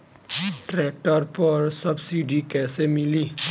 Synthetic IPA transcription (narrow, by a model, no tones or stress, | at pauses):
ʈɾɛːk̚ʈəɾpəɾsəbsiɖikɛːsemɪli